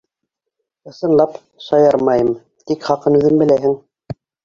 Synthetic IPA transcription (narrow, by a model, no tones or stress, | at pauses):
ɤ̆sɤ̆nlˠɑp | ʃɑjɑɾmɑjɤm | t̪ikχɑqɤnʉðɘnbɘ̆læɦɘŋ